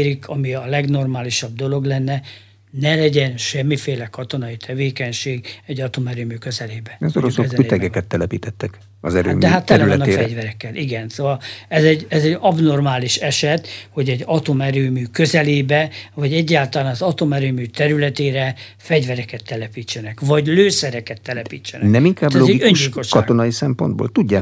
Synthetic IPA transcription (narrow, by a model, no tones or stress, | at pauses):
ɾikʰɒmiɒlɛɡno̞rmaːliʃɒb̚d̪o̞lo̞ɡlɛnːɛ | nɛlɛɟɛnʃɛmːifeːlɛkɒt̪o̞nɒit̪ʰɛveːkɛɲʃeːɡɛɟːɒt̪omɛɾøːmyːkø̞zɛleːbɛɛzoɾosoɛzɛyɛɡɛkkɛt̪ːɛlɛpiːt̪ɛt̪ːɛk | ɒzɛɾø̰ːmd̪ɛɦat̪ːɛlɛnːɒɛɟvɛɾɛkːɛlʔiɡɛnsoːvɒlɛzɛɟɛzɛɟɒbno̞rmaːliʃɛʃɛt̪ho̞ɟɛɟːɒt̪omɛɾøːmyːkø̞zɛleːbɛvɒɟɛɟːaːlt̪ɒlaːnɒzɒt̪o̞mɛɾøːmyːt̪ɛɾylɛt̪eːɾɛ | fɛɟvɛɾɛkɛt̪ːɛlɛpiːt͡ʃːɛnɛkvɒɟløːsɛɾɛkɛt̪ːɛlɛpḭːt͡ʃːɛnɛ̰nɛmiŋkaːblɛloɛɡiøɲʃɟiilko̞ʃɒtːɡ̪onɒjisɛmpond̪bo̰ːlt̪uɟːaː